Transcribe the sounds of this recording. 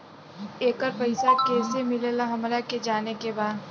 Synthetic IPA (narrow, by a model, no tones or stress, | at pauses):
eːkəɾpɐɪsakɛːsemɪlelaɦɐmɾaked͡ʒaːnekebaːd̪